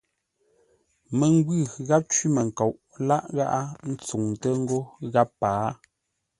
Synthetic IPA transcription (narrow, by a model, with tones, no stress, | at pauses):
mə˨ŋ˦ɡwʉ˦˨ɣa˦p̚t͡ʃwi˦mə˨ŋ̩˨ko˨wʔ | la˦ʔɣa˦ʔa˦n̩˦t͡su˨ŋ˨tə˦ŋ̩˦ɡo˦ɣa˦pːaː˨˦